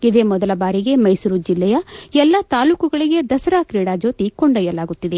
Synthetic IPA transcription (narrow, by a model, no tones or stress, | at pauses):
id̪e̞ːmɔd̪ɐlɐbaːɾiɡe̞mɐjsuɾud͡ʒilːɛjɐɛlːɐt̪aːluːkuɡɐɭiɡe̞d̪ɐsɐɾaːkɾiːɽaːd͡ʒo̞ːt̪ikoɳɖɐjɐlaːɡut̪ːid̪e̞